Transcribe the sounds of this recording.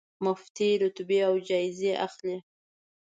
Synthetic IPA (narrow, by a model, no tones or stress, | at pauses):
mʊft̪iɾʊt̪beawd͡ʒɑɪzeʔa̰xle